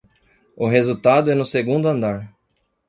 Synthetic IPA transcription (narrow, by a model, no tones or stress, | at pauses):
ʊɦezut̪ad̪ʊɛnʊseɡũnd̪ʊɐ̃nd̪aɾ